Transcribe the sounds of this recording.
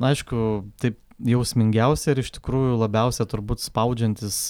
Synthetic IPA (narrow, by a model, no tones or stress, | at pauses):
ɐɪʃkʊt̪ɐɪp̚ | jɛʊsʲmʲɪŋʲɡʲɛʊsʲɛɪɾɪʃt̪ʲɪ̥kɾuːjʊlˠɐbʲɛʊsʲɛt̪ʊɾbuːt̪spɐʊd͡ʒʲɛnʲt̪ʲɪs